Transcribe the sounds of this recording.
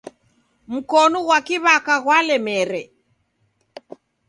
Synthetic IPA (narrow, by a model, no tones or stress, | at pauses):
m̩kɔnɔɣwakiβakaɣwalɛmɛɾɛ